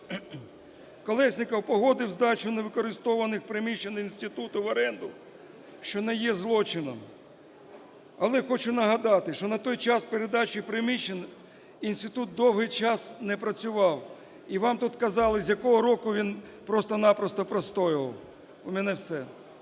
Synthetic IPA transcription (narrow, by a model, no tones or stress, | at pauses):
kɔlˠɛsʲnʲɪkɐwpɔɦɔd̪ɪwzd̪ɑt͡ʃʊneʋɪkɔɾɪst̪ɔʋɐnɪxpɾɪmʲit͡ʃeninʲsʲt̪ɪt̪ut̪ʊʋɐɾɛnd̪ʊ | ʃt͡ʃɔnɛjɛzlˠɔt͡ʃɪnɔ̰m | ɐlˠɛxɔt͡ʃʊnɐɦɐd̪ɑt̪ɪʃt͡ʃɔnɐt̪ɔjt͡ʃɑspeɾed̪ɑt͡ʃipɾɪmʲit͡ʃːen | insʲt̪ɪt̪ut̪̚d̪ɔwɦɪjt͡ʃɑsnɛpɾɐt͡sʲʊʋɑw | iʋɑmt̪ut̪kɐzɑlˠɪzʲjɐkɔɦɔɾɔkʊʋʲinpɾɔst̪ɔnɑpɾɔst̪ɔpɾɐst̪ɔjɪʋɐ̰w | ʊmɛnɛwsɛ